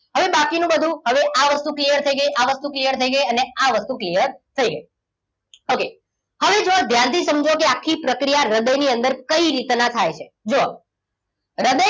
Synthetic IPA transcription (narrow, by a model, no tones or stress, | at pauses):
həʋebakinũbəd̪ʱũɦəʋeʔaʋəst̪uklijəɾt̪ʰəiɡəjʔaʋəst̪uklijəɾt̪ʰəiɡəjəneaʋəst̪uklijəɾt̪ʰəiɡəi | oke | həʋed͡ʒod̪ʱjant̪ʰisəmd͡ʒʱokeakʰːipɾəkɾijaɾəd̪əjniənd̪əɾkəiɾit̪nat̪ʰajt͡ʃʰe | d͡ʒo | ɾəd̪ə